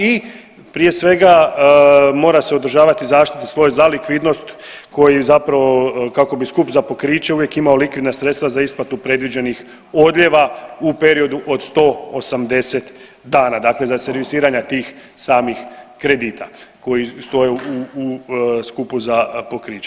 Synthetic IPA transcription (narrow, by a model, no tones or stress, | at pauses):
i | pɾije̞sʋe̞ɡa | mo̞ːɾase̞od̪ɾ̩ʒaːʋat̪izaːʃt̪i̥t̪isʋo̞jzalikʋiːd̪no̞st̪ | ko̞jizapɾaʋokako̞biskupzapo̞kɾiːt͡ʃeuʋje̞kimaolikʋid̪nasɾe̞t̪st̪ʋazaisplat̪upɾe̞d̪ʋid͡ʒe̞nix | o̞d̪ʎʲe̞ʋaupe̞ɾio̞d̪uʔo̞d̪st̪o̞osamd̪e̞set̪ | d̪aːnad̪akle̞zase̞ɾʋisiːɾaɲat̪iːxsaːmixkɾe̞d̪iːt̪ʰako̞jist̪o̞jeuuskupuzapo̞kɾiːt͡ʃe